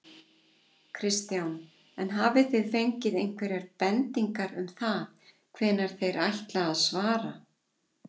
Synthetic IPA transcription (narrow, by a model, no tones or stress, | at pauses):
kʰɾɪst̪jawn | ɛnɦaːvɪθɪðfejɲcɪðejn̥kʰvɛɾjaɾpɛnt̪iŋkaɾʏmθað | kʰvɛːnːaɾ̥θejɾʔajht̪laɣaðsvaːɾa